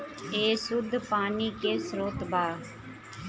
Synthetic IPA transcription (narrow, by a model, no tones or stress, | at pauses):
eːsʊd̪ʱpaːniːkeːsɾoːt̪baː